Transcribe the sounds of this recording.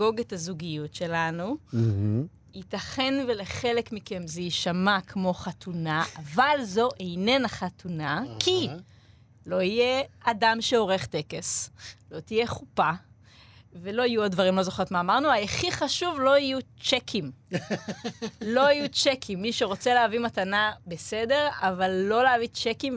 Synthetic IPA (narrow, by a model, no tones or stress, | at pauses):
ɡo̞ɡethazuɡijutʃelanu | itaχe̞nvele̞χe̞lekmikemzeiʃamakʰmo̞χatunaʔavalzo̞ʔejnenaχatʰunakʰi | lo̞ijeadamʃeo̞ʁe̞χt̪e̞keslo̞t̪ije̞χupa | velo̞ajuod̚dvaʁimlo̞zoχot̪maːmaʁnuajeχiχaʃuvlo̞ijut͡ʃekʰim | lo̞ijut͡ʃekʰimːiʃeʁo̞t͡seleavimat̪anabe̞sede̞ʁavalːo̞leavit͡ʃekim